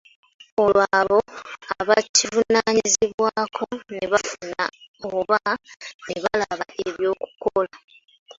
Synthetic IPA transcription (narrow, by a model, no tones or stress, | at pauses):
o̞lwaːβoaβacivunaɲiziβwaːkʰo̞neβafuna̰oβaneβalaβaʔeβjo̞ːku̥kola